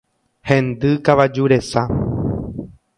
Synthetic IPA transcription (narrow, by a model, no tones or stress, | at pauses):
hẽ̞nd̪ɨkaʋad͡ʒuɾe̞sa